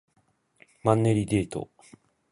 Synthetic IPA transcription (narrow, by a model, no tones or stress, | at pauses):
mãnːeɾʲid̪eːt̪o̰